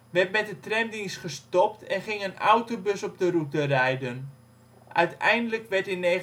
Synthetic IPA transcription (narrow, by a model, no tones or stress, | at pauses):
ʋɛrtmɛt̚dətrɛmdinsχəstɔptɛnχɪŋənawtobøsɔp̚dərutərɛjdən | ʔœ̰ɥtɛ̰jndələkʋɛɹtɪneː